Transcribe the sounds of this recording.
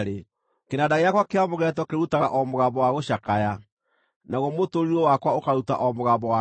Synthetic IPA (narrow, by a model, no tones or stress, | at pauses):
ɾe | kenadaɣejakwakeamoɣɛtwɔkeɾutaɣaʔɔmoɣambɔwaɣoɕakaja | naɣɔmotoɾiɾɔwakwaokaɾuta̰ʔɔmoɣaːbɔwa